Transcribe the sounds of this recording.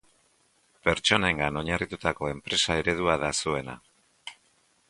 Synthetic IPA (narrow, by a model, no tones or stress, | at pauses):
pe̞ɾt͡ʃo̞ne̞ŋɡano̞ɲarit̪ut̪ako̞e̞mpɾe̞sae̞ɾe̞ðuaðasue̞na̰